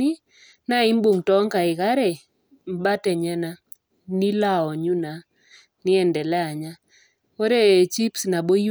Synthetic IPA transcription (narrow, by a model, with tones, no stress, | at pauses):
ɪ˦ | na˦ɪ˦mbo˨ŋtɔ˦ŋka˨ɪ˨ka˦ɾɛ˨ | m˦ba˦tɛ˨ɲɛ˦na˦ | nɪ˦la˦ɔ˨ɲu˦na˨ | nɪ˦ɛ˨ndɛ˨lɛ˦a˨ɲa˦ | wo˦ɾe˦˨t͡ʃi˦psna˨bo˦ju˦